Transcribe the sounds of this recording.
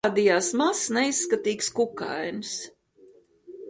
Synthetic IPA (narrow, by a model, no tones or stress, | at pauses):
d̪ijaːsmasnɛisːkat̪iːkskuka̰jns